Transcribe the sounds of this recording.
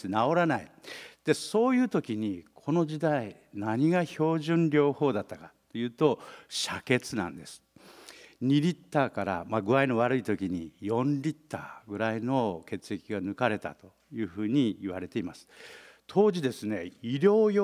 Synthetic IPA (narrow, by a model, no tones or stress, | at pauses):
nao̞ɾanaid̪̥e̞so̞ːjɯ̟ːt̪o̞kʲiɲ̟ikʰo̞no̞ʑid̪ainaɲ̟iɡaço̞ːʑɨ̃nɾʲo̞ːho̞ːd̪at̪ːakḁt̪ːo̞jɯ̟ːt̪o̞ɕake̞t͡sɨnã̰nd̪e̞sɨ̥ | ɲ̟iɾʲit̪ːaːkaɾa̰maɡɯ̟aino̞β̞aɾɯ̟it̪o̞kʲiɲ̟ḭjõ̞nɾʲit̪ːa̰ːɡɯ̟ɾaino̞ke̞t͡sɨe̞kʲiɡanɯ̟kaɾe̞t̪a̰t̪o̞ | jɯ̟ːɸɯ̟ːɲ̟iiβaɾe̞t̪e̞imasɨ̥ | t̪ʰo̞ːʑid̪e̞sɨne̞iɾʲo̞ːjo